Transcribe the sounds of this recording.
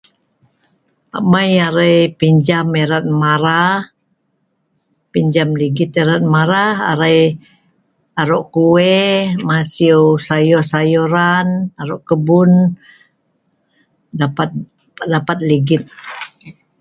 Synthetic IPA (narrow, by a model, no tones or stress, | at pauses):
a̰majaɾajpiɲd͡ʒameɾat̪̚maɾah | piɲd͡ʒamliɡɪt̪eɾat̪̚maɾaha̰ɾaj | aɾɔʔkuwɛmasiosajɔhsajɔɾanaɾɔʔkəbʊn | dapat̪̚ | dapat̪̚liɡɪt̪̚